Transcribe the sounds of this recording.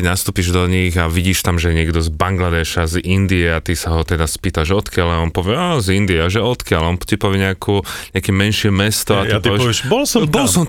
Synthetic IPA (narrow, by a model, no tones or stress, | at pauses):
nast̪uːpiʒd̪ɔɲiɣaʋiɟiːʃt̪amʒɛɲɪɛɡd̪ɔzbaŋɡlad̪ɛːʃazind̪iɛat̪isaɦɔt̪ɛd̪aspiːt̪aʒɔt̪kɪalaɔnpɔʋɪɛɔzind̪iaʒɛɔt̪kɪalɔnt̪ipɔʋɪɛɲɛakuːɲɪakɛmɛnʃɪɛmɛst̪ɔat̪itpɔʋjɛʃʋɛʃbbɔlsɔbɔlsɔm